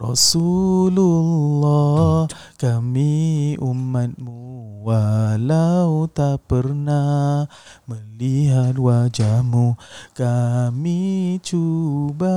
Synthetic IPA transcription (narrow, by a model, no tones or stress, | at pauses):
rɔ̰sululːɔ | kamiumat̪̚muwalaut̪apərnah | məliɦat̪̚wad͡ʒahmukamit͡ʃuba